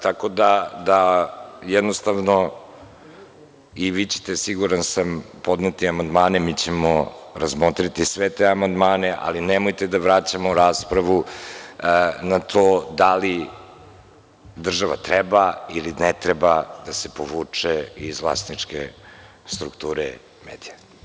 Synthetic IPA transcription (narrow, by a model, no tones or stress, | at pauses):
t̪ako̞d̪ad̪ajɛd̪nost̪aʋno̞ | iʋit͡ɕe̥t̪esiɡuɾansampo̞d̪net̪iamand̪maːnemit͡ɕemoɾazmot̪ɾit̪isʋet̪eamand̪maːneʔa̰linemojt̪ed̪aʋɾat͡ɕamoɾaːspɾaʋu | nat̪ʰod̪ali | d̪r̩ʒaʋa̰t̪ɾɛbailinɛt̪ɾebad̪asepo̞ʋuːt͡ʂeizvlˠa̰st̪nit͡ʂkḛ | st̪ɾukt̪uːɾe | meːd̪ija